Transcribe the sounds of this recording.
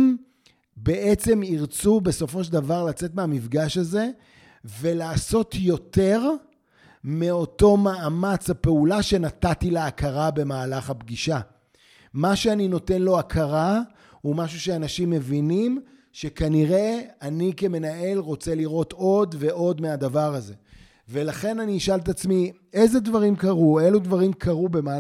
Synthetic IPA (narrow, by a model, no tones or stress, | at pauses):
m | beʔet͡se̞miʁt͡sube̞so̞fo̞ʃldavaʁlat͡se̞t̪meamifɡaʃaze̞ | ve̞laːso̞tjo̞te̞ʁ | meo̞to̞maːmat͡shape̞ulaʃe̞natatileakaʁabe̞maːlaχabɡiʃa | maʃeanino̞te̞nlo̞akʰaʁa | umaʃuʃeanaʃimːe̞vinim | ʃekaniʁe̞anike̞me̞nae̞lʁo̞t͡se̞liʁo̞to̞dve̞ʔo̞d̪mead̪avaʁaze̞ | ve̞laχe̞naniːʃaltat͡smi | eze̞dvaʁimkaʁue̞ludvaʁimkʰaʁubema